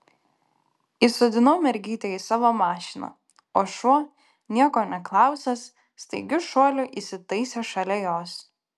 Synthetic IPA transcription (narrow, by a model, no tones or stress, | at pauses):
isod̪ʲɪnoːmʲɛɾʲɡʲiːt̪ʲeːiːsɑːʋoːmɑːʃʲɪnɐ̰ | oːʃuɔ | nʲiɛkoːnʲɛklˠɑˑʊsʲɛsː | t̪ɐɪɡʲʊʃoɔlʲʊʔisʲɪt̪ɐɪsʲeʃɐlʲɛjoːs